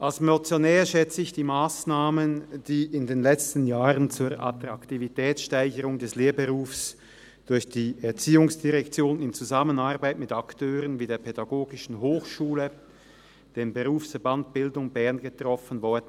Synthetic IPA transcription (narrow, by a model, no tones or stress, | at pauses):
ʔalsmɔt͡sjonɛːɐʃɛt͡səɪçd̥iːmaːsnaːmənd̥iːʔɪndeːnlɛt͡stənjaːʁənt͡suːɐʔa̰tʁaktivitɛːt͡sʃtaɪçəʁʊŋdɛsleːɐbəʁuːfs | d̥ʊɐçd̥iːɛɐt͡siːʊŋsd̥iʁɛkt͡sjoːnɪnt͡suzamənaɐbaɪtmɪtaktʰøːʁənviːdeːɐpʰɛdaɡoːɡɪʃn̩ɦoːxʃuːlə | d̥eːmbəʁuːfsfɛɐbant̚b̥ɪldʊŋbɛɐnɡətʁ̥ɔfənvɔɐd̥ən̩